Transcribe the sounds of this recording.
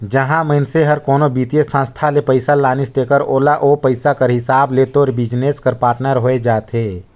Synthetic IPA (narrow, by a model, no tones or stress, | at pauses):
d͡ʒəɦãməɪnseɦɐɾkoːnobiːt̪jesə̃nst̪ʰalepəɪsalaːnɪsd̪eːkəɾoːlaʔoːpəɪsakəɾɦɪsaːbleːt̪oːɾbɪd͡ʒneːskəɾpaːɾʈnəɾɦoːed͡ʒaːt̪eː